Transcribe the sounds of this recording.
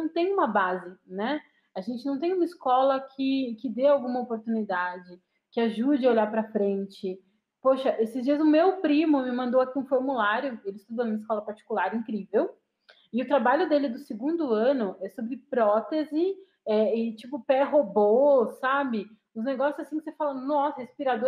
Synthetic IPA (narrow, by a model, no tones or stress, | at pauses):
ɐ̃w̃t̪ẽj̃ũmɐbazɪnɛ | aʒẽnt͡ʃɪnɐ̃w̃t̪ẽj̃ũmɐɪskɔlɐkʰɪkɪd̪eawɡũmɐopoɾt̪unid̪ad͡ʒɪ | kɪaʒud͡ʒɪoʎaɾpɾɐfɾẽnt͡ʃɪ | poʃɐʔesɪzd͡ʒiɐzʊmewpɾĩmʊmɪmɐ̃nd̪owakiũfoɾmulaɾjʊelɪst̪ud̪onũmɐiskɔlɐpaɾt͡ʃi̥kulaɾĩŋkɾivew | ɪʊt̪ɾabaʎʊd̪elɪd̪ʊsɪɡũnd̪ʊɐ̃nʊɛsobɾɪpɾɔt̪ezɪ | ɛɪt͡ʃipʊpɛɦobosabɪ | ʊzneɡɔsjʊzasĩkɪ̥sefalɐnɔsɐhespiɾad̪o